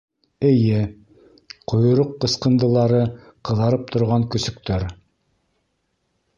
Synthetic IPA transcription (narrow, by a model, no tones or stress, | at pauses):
ɘ̆jɘ | qʰŏjŏɾoqːɤ̆sqɤ̆nd̪ɤ̆lˠɑɾɤ | qɤ̆ðɑɾɤp̚t̪ʰŏɾʁɑŋkɵ̆sɵ̆k̚t̪œɾ